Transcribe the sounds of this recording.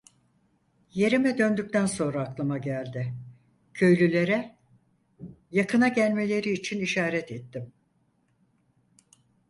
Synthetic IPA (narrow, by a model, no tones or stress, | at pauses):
je̞ɾimɛd̪ø̞nd̪yc̚t̪ænso̞nɾaːklˠɯmaɟælʲd̪ɪ | cʰø̞jlʲylʲe̞ɾɛ | jakɯnaɟælʲme̞lʲe̞ɾiːt͡ʃʰiniʃaːɾɛt̪et̪ːɪm